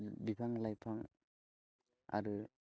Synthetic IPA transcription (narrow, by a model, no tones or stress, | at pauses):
bipʰaŋlajpʰaŋ | a̰ɾɯ